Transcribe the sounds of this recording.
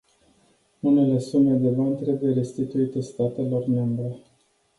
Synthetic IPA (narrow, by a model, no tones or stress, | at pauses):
une̞le̞sume̞d̪e̞bant̪ɾe̞buje̞ɾe̞st̪it̪uit̪əst̪at̪e̞lo̞rme̞mbɾe̞